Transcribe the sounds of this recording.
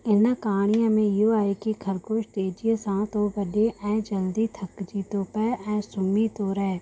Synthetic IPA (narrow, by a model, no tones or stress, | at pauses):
ɪnəkaːɽ̃ɪjãmẽjoaːekikʰəlkoːʃt̪eːd͡ʒiəsãːt̪obəɖeʔɛ̃ːd͡ʒəld̪it̪ʰəkd͡ʒit̪opəɛ̃ːsʊmit̪oɾɛ